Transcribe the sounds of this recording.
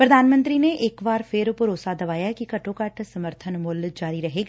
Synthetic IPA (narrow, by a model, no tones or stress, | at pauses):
pɾəd̪aːnmə̃nt̪ɾiːneʔɪkʋaːɾpʰɪɾʊpəɾoːsad̪ɐʋaːjaɛkikəʈõːkəʈʰsəməɾt̪ʰənmʊld͡ʒaːɾiɾəɦeːɡa